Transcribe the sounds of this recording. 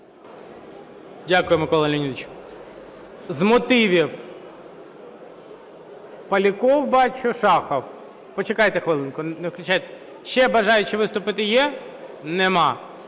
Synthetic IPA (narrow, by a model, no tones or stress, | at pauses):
dʲakʊjʊmɪkɔlˠɐlʲinʲid̪ɪt͡ʃ | zmɔt̪ɪʋʲiw | pɐlʲikɔwbɑt͡ʃʊʃɑxɐw | pɔt͡ʃekɑjt̪ɛxʋɪlˠɪnkʊneʋklʲʊt͡ʃajt̪ | ʃɛbɐʒɑjʊt͡ʃɪʋɪst̪ʊpɪt̪ɪjɛ | nɛmɑ